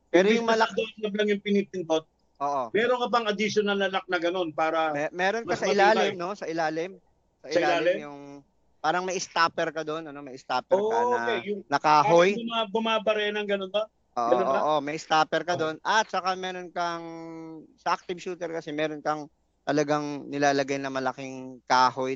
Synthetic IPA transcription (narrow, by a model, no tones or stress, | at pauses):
pɛːɾojʊŋmɐlɐd̪onlɐblɐŋjʊŋpɪniːt̪ɪnd̪ot̪̚ | ʔoːʔomɛːɾonkɐp̬ɐŋɐd̪iʃonɐlnɐlɐk̚nɐɡɐno̞npaːɾɐmɛmɛːɾo̞nmɐɐsɐʔɪlaːlɪmno̞sɐʔɪlaːlɪm | sɐʔɪsɪlaaːlɪmjʊŋ | paːɾɐŋmɐjɪst̪aːpɛɾkɐd̪onɐnomɐjɪst̪aːpɛɾonoɐkɛjʊŋnɐkaːɦojmabʊmaːbɐɾɛnɐŋɡɐnonbɐ | ʔoːʔɐnʔoɐːʔomɐjɪst̪aːpɛɾkɐd̪o̞nɐt̪̚t͡ʃɐkamɛːɾo̞nkɐŋ | sɐʔak̚t̪ɪbʃuːt̪ɛɾkɐsɛmɛːɾo̞nkɐŋ | t̪ɐlɐɡaŋnɪlaːlɐɡajnɐmɐlɐkɪŋkaːho̞j